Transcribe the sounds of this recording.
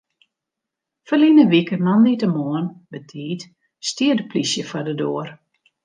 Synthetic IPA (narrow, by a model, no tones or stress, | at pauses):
fərlinəʋikənanːitəmoənbətʰiːt | stiədəplisjəfɔdədoər